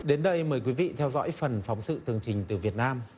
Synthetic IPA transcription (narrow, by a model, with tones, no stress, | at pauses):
ɗe˨˦nɗə˧jməː˨˩jkwi˨˦vḭ˧˨t̪ʰɛ˧wzɔ̰ː˧˥jfə˨˩nfa˨˦wŋ͡msɨ̰˧˨t̪ɨ˨˩əŋt͡ɕï˨˩ŋ̟t̪ɨ˨˩vi˨˩ət̚naː˧m